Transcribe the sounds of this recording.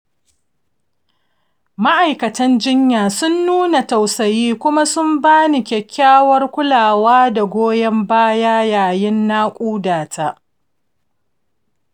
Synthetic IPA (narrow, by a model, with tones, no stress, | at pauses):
ma˦ʔa˨jkɐ˨tɐ˦nd͡ʒɪ˦ɲjaː˨sʊ˦nːuː˦na˨ta˨wsɐ˨jiː˦kʷʊ˦ma˦sʊ˦mbaː˦ni˨kʲɛ˨kʲʰːaː˦wɐ˦rkʷʊ˦laː˨waː˦da˨ɡʷoː˦jɛ˦mbaː˦jaː˦jaː˨jɪ˦nːaː˦kʷʼuː˦daː˨tʰa˦ʔ